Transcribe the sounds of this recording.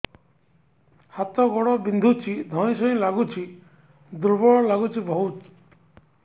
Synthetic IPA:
hat̪ɔɡɔɽɔbind̪ʱut͡ʃʰid̪ʱɔ̃ĩsɔĩlaɡut͡ʃʰi | d̪uɾbɔɭɔlaɡut͡ʃʰibɔɦut̪

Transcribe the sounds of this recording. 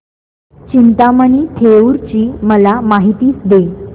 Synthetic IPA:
t͡ɕint̪aməniːt̪ʰeuɾt͡ɕiːməlamaɦit̪iːt͡sd̪e

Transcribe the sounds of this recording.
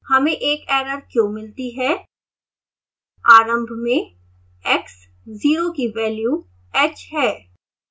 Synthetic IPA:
hɐmẽʔeːkɛːɾəɾkjõːmɪlt̪iɦɛː | aːɾə̃mbʱmẽ | ɛks | ziːɾokiʋɛːljuː | ɛːt͡ʃɦɛː

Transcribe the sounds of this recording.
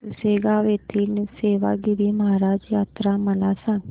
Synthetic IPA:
seːɡaːʋeːt̪ʰiːnːseːʋa̰ːɡɪɾiːməɦaːɾaːd͡ʒjaːt̪ɾaːməlaːsə̃n

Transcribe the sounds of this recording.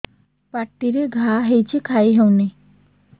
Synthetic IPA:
paʈːiɾeɡʱaɦejt͡ɕʰikʰajɦewne

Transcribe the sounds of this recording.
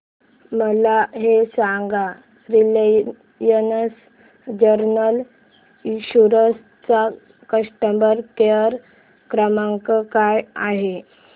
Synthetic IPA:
məlaɦesaŋɡa | ɾil | jənəs | d͡ʑəɾnəl | ɕuɾəs | t͡sa | kəsʈəmbəɾkeəɾ | kɾəmaŋkəkajaɦe

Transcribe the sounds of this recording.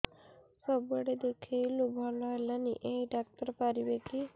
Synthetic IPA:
səbəɽed̪ekʰajlubʱaɳalaniʔeɖak̚ʈəɾpaɾiʋeki

